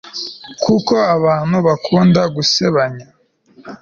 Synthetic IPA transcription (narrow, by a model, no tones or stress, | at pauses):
kʰuko̞aβaːn̤̥huβakʰuːndaɡuseβaɲa